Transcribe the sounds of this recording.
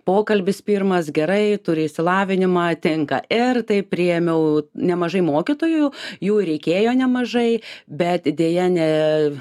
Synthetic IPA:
poːkɐlʲbʲɪspʲiːrmɐs̬ɡʲɛɾɐɪt̪ʊɾʲɪɪʃʲsʲɪlˠɑːʋʲɪnʲɪmɑːt̪ʲɪŋkɐ̰ɪrt̪ɐɪpʲɾʲɪjɛmʲɛʊnʲɛmɐʒɐɪmoːkʲɪt̪oːjʊjuːɾʲɛɪkʲeːjoːnʲɛmɐʒɐɪbʲɛt̪d̪ʲeːjɛnʲɛ

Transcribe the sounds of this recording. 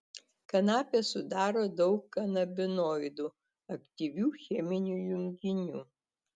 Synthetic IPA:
kɐnɑːpʲeːsʊd̪ɑːɾoːd̪ɒʊkːɐnɐbʲɪnoːɪd̪uː | ɐkt̪ʲiʋʲuːxʲɛmʲɪnʲuːjʊŋʲɡʲɪnʲuː

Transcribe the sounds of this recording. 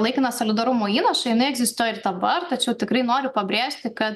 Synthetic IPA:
lˠɐɪkʲɪnɐsolʲɪd̪ɐɾʊmoːiːnɐʃɐjɪnɐɪɛɡzʲɪst̪uːjɛɪrd̪ɐbɐrt̪ɐt͡ʃʲɛʊt̪ʲɪkɾɐɪnoːɾʲʊpɐbʲɾʲeːʃʲt̪ʲɪkɐt̪

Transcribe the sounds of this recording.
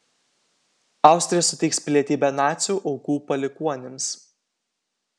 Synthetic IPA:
ɑˑʊsʲt̪ʲɾʲɪjɛsʊt̪ʲɛɪkspʲlʲiɛt̪ʲiːbʲɛnɑːt̪sʲuːʔɔʊkuːpɐlʲɪkuɔnʲɪms

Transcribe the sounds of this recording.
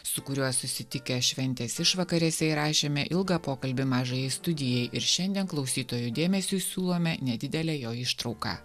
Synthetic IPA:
sʊkʊɾʲuɔsʊsʲɪt̪ʲɪkʲɛʃʲʋʲɛnʲt̪ʲeːsɪʃʋɐkɐɾʲɛsʲɛɪɾɑːʃʲeːmʲɛʔɪlˠɡɑpoːkɐlʲbʲɪmɑːʒɐjɛɪst̪ʊd̪ʲɪjɛɪʔɪɾʃʲɛnʲd̪ʲiɛnklˠɒʊsʲiːt̪oːjud̪ʲeːmʲɛsʲuːsʲuːlˠoːmʲɛnʲɛd̪ʲɪd̪ʲɛlʲɛjoːɪʃt̪ɾɒʊkɑ̰ː

